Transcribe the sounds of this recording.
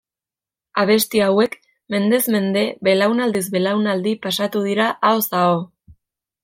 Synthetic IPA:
aβ̞e̞st̪iawe̞k | me̞nd̪e̞zme̞nd̪e̞βe̞lawnald̪izbe̞lawnald̪ipasat̪uð̞iɾaʔaosao

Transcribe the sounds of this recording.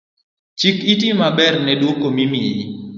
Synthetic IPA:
t͡ʃikit̬imabɛrnɛdwokomimɪi

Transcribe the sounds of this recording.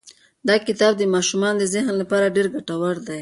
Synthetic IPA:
d̪ɑkɪt̪ɑb̚d̪əmɑʃumɑnd̪əzɪɦnlapɑɾaɖeɾɡaʈawaɾd̪aj

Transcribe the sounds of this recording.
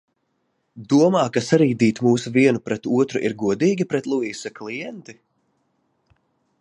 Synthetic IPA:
d̪uɔmaːkasaɾiːd̪iːt̪muːsuviɛnupɾɛt̪uɔt̪ɾuʔḭɾɡuɔd̪iːɡʲipɾɛt̪lˠuiːsaklˠijɛnt̪i

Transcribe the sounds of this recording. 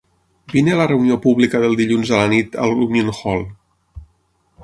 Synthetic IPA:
binelərəuniopuβlikəðəlˠd̪iʎunzələnit̪ə̰lˠununxɔlˠ

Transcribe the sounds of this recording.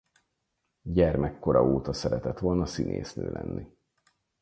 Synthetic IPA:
ɟɛrmɛkːo̞ɾɒoːt̪ɒsɛɾɛt̪ɛt̪ʋo̞lnɒsinḛːsnøːlʔɛ̰nːʔi

